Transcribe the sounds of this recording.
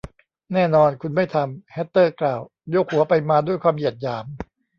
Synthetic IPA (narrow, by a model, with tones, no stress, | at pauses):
nɛː˥˩nɔː˧nkʰu˧nma˥˩jt̪ʰa˧mhɛ˦˥t̪ːɤː˥˩klaː˨˩w | jo˦˥k̚hu˩˦ɐpa˧jmaː˧du˥˩əjkʰwaː˧mji˨˩t̪̚jaː˩˦m